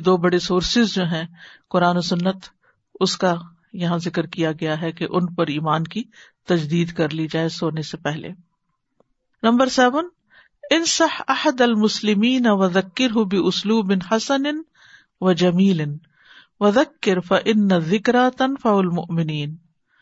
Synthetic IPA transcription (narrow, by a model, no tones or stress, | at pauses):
d̪oːbɐɽesoːɾsɪzd͡ʒoːɦɛ̃qʊɾaːnosʊnːət̪ | ʊska | jɐɦãzɪkɾkijaɡɐjaɦɛkeʔʊnpɐɾiːmaːnkit̪ɐd͡ʒd̪iːd̪kɐɾlid͡ʒaːesoːnesepɛɦlḛː | nɐ̃mbəɾsɛːʋən | ɪnsɐħɐhəd̪ɐlmʊslɪmiːnɐwɐðɐkːɪɾɦʊbɪʊsluːbɪnħɐsənɪn | ʋɐd͡ʒɐmiːlɪn | ʋɐðɐkːɪɾfɐʔɪnːɐðɪkɾat̪ɐnfɐʊɐlmʊʔmɪniːn